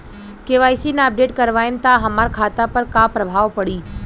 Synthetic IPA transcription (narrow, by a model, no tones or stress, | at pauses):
keʋaːjsinəp̚ɖeːʈkəɾʋaːjmt̪aɦəmaːɾkʰaːt̪apəɾkapɾəbʱaːʋpəɽiː